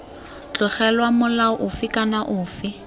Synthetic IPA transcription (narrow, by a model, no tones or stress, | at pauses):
t͡ɬʊχɛlwamʊlaɔʔʊfɪkʼanaʔʊːfɪ